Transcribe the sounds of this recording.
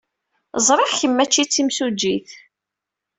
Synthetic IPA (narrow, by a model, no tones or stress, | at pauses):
zˤɾˤeħçəmːæt͡ʃːit͡sːimsud͡ʒːiθ